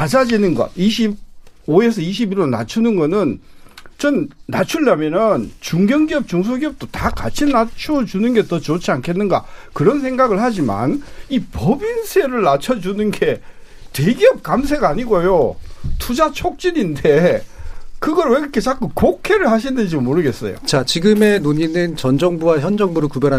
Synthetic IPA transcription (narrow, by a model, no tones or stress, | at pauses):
ad͡ʑad͡ʑinɯnɡʌ̰iɕ̬ʰib̚oe̞s̬ʰʌiɕ̬ʰibiɾona̰t͡ɕʰunɯnɡʌnɯnt͡ɕʌnːat͡ɕʰuɭːamjʌnʌnt͡ɕuŋɡjʌŋɡiʌp̚t͡ɕuŋs̬ʰoɡiʌp̚t͈otaka̰t͡ɕʰinnat͡ɕʰuʌd͡ʑunɯnɡe̞tʌt͡ɕot͡ɕʰiankʰe̞nːɯnɡa̰kɯɾʌns̬ʰe̞ŋɡaɡɯɭhad͡ʑima̰nipʌbinsʰe̞ɾɯɭnat͡ɕʰʌd͡ʑunɯnɡe̞ | twe̞ɡiʌp̚k͈ams̬ʰe̞ɡaːɲiɡojotʰud͡ʑat͡ɕʰok̚t͡ɕ͈iɲinde̞ | kɯɡʌɾwekɯkʰet͡ɕak͈ɯkokʰe̞ɾɯɭhaɕ̬ʰinɯnd͡ʑiomoɾɯɡe̞s͈ʌ̰jo̰t͡ɕat͡ɕiɡɯme̞noɲinɯnt͡ɕʌnd͡ʑʌŋbuwaçjʌnd͡ʑʌŋbuɾɯɭkubjʌɾɦa